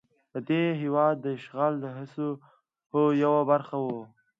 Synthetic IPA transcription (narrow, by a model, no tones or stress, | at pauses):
pəd̪eɦɪwɑd̪ːəʃɣɑld̪əɦɪso | hojawabaɾxawo